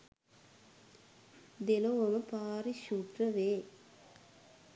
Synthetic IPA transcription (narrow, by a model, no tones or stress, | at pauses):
d̪ɛloʋɐmɐpaːɾiʃuːʈrɐʋeː